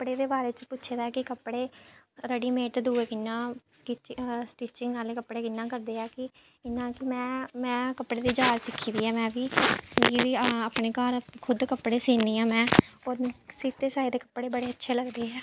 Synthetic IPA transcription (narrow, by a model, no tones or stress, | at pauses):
kəpɽeːd̪eːbaːɾeːt͡ʃəpʊtːʃʰeːd̪aːɛːkɪkəpːɽeːɾəɽiːmeːʈd̪uːeːkɪnːãːkiːsʈiːt͡ʃɪŋɡnaːlekəpːɽeːkɪnːãːkəɾd̪eːɛːkɪ | ɪnːãːkɪmɛ̃ːmɛ̃ːkəpːɽeːd̪iːd͡ʒaːlsɪkʰːĩːd̪iːɛːmɛ̃ːbiː | ʋiːaːpɳeːkaːɾkʰʊd̪kəpːɽeːsiːniːãːmɛ̃ːõːsiːt̪eːsaːid̪eːkəpːɽeːbəɽeːətːʃʰeːləɡd̪eːɦɛː